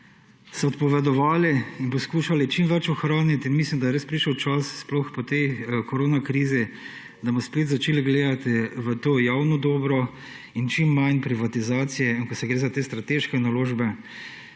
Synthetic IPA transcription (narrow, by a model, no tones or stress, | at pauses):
sɔɔt̪pɔʋɛd̪ɔʋaːliinpɔskuːʃalit͡ʃimʋɛt͡ʃɔxɾaːnit̪inmislimd̪ajɛɾespɾiːʃəwt͡ʃasːplɔxpɔt̪ɛjkɔɾoːnakɾiːzi | d̪amɔspeːt̪zat͡ʃeːliɡleːd̪at̪iʋət̪oːjawnɔd̪ɔːbɾɔ | int͡ʃimːajnpɾiʋat̪izaːt̪sijɛinkɔsɛɡɾeːzat̪eːst̪ɾat̪eʃkɛnaloːʒbɛ